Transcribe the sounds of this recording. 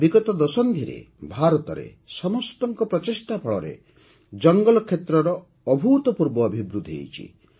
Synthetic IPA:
biɡɔt̪ɔd̪ɔsɔnd̪ʱiɾḛ | bʱaɾɔt̪ɔɾḛ | sɔmɔst̪ɔŋkɔpɾɔt͡ʃisʈapʰɔɭɔ̰ɾḛ | d͡ʒɔŋɡɔlɔkʰːet̪ɾɔɾɔː | bʱuːt̪ɔpuɾbɔːbʱibɾud̪ʱḛjt͡ʃʰḭ

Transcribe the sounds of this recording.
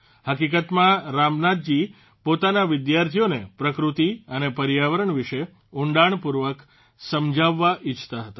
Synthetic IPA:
həkikət̪mãɾamnad̪̚d͡ʒi | pot̪anaʋɪd̪jaɾt̪ʰijonepɾəkɾut̪iənepəɾjaʋəɾəɳʋiʃe | uɳɖaɳpuɾʋək | səmd͡ʒaʋːaʔɪt͡ʃʰt̪aɦət̪a

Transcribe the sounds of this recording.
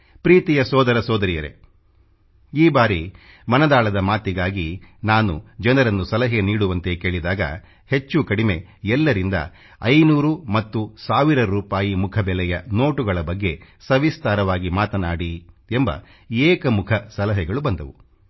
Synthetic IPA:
pɾiːt̪ijɐsɔːd̪ɐɾɐsɔːd̪ɐɾijɐɾe̞̰ | iːbaːɾi | mɐnɐd̪aːɭɐd̪ɐmaːt̪iɡaːɡinaːnud͡ʒɐnɐɾɐnːusɐlɐɦeniːɽuʋɐnt̪e̞ke̞ːɭid̪aːɡɐ̰ | he̞t͡ʃːukɐɽime̞ | ɛlːɐɾind̪ɐ̰ | ɐjnuːɾumɐt̪ːusaːʋiɾɐɾuːpaːjimukʰɐbɛlɛjɐno̞ːʈuɡɐɭɐbɐɡːesɐʋist̪aːɾɐʋaːɡimaːt̪ɐnaːɽi | embɐ̰ | ɛːkɐmukʰɐsɐlɐɦɛɡɐɭubɐnd̪ɐʋu

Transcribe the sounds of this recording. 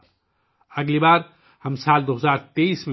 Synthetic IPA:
əɡlibaːɾ | həmsaːld̪oɦəzaːɾt̪eisme

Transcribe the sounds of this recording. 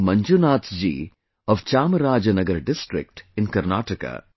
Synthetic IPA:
mɐɲd͡ʒunaːt̪d͡ʒḭː | ɔʋt͡ʃaːməɾaːd͡ʒɐnɐɡɐɾɖɪsʈɾɪ̰k̚ʈɪ̃nkɐɾnaːʈɐka̰ː

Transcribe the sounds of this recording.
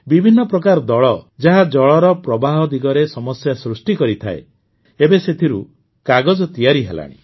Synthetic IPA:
bibʱinːɔpɾɔkaɾɔd̪ɔɭɔd͡ʒaɦad͡ʒɔɭɔɾɔpɾɔbaɦɔd̪iɡɔɾesɔmɔsjasɾusʈikɔɾit̪ʰa̰ḛ | ebeset̪ʰiɾu | kaɡɔd͡ʒɔt̪ijaɾiɦa̰la̰ɽ̃ḭ

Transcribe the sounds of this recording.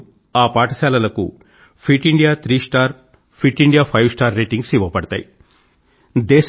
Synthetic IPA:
aːpaːʈɐsaːlɐlɐkṵ | pʰiʈiɳɖijaːt̪ʰɾiːsʈaːɾ | pʰiʈːiɳɖijaːpʰɐjʋsʈaːɾːeːʈiŋɡsiʋɐpɐɽɐt̪a̰ːji | d̪ɛːʃ

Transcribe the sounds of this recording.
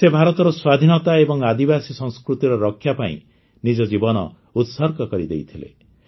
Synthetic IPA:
sebʱaɾɔt̪ɔɾɔswad̪ʱinɔt̪aebɔŋad̪ibasisɔ̃ŋskɾut̪iɾɔɾɔkʰːjapaḭ̃ | nid͡ʒɔd͡ʒibɔnɔ̰ | ut̪sɔɾkɔkɔɾid̪ḛjt̪ʰilḛ

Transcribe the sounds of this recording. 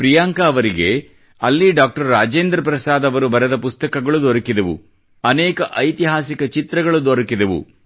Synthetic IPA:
pɾijaːŋkaːʋɐɾiɡe | ɐlːiɖaːk̚ʈɐɾːaːd͡ʒeːnd̪ɾɐp̬ɾɐsaːd̪ɐʋɐɾubɐɾɛd̪ɐpust̪ɐkɐɡɐɭud̪ɔɾɐkid̪ɐʋṵ | ɐnɛːkɐʔɐjt̪iɦaːsikɐt͡ʃit̪ɾɐɡɐɭud̪ɔɾɐkid̪ɐʋṵ

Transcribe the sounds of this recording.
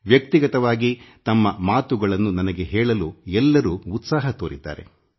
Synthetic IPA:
ʋjɐk̚t̪iɡɐt̪ɐʋaːɡit̪ɐmːɐmaːt̪uɡɐɭɐnːunɐnɐɡe̞ɦɛːɭɐluɛlːɐɾuːut̪saːɦɐt̪oːɾid̪a̰ːɾe̞̰

